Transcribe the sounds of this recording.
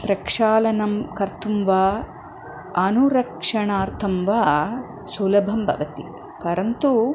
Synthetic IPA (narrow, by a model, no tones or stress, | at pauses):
pɾɐkʂaːlɐnɐmkɐɾt̪umʋaː | ɐnuɾɐkʂɐɳaːɾt̪ʰɐmʋaː | sulɐbʱɐmbʱɐ̰ʋɐt̪i | kɐɾɐnt̪u